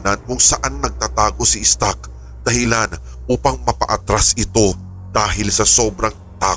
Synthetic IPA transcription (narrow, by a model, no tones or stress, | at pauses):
nɐnkʊŋsɐʔanːɐɡ̚t̪at̪aːɡo̞sɪʔɪst̪ak̚ | d̪̥ɐhɪlan | ʔuːpɐŋmɐpɐ̰ʔɐt̪ɾasɪt̪o̞ | d̪̥aːɦɪlsɐso̞bɾɐŋ | t̪aː